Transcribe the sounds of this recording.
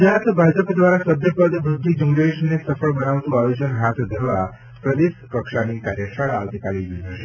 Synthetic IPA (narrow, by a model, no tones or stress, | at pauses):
d͡ʒat̪bʱad͡ʒəpd̪ʋaɾasəbʱjəpəd̪b̪ud̪ʱːid͡ʒuŋɡeʃnesəfəɭbənaʋt̪ũajod͡ʒənɦat̪ʰd̪ʱəɾʋa | pɾəd̪espəkʃanikaɾjəʃaɭaʋt̪ikaliʋiɦəʃe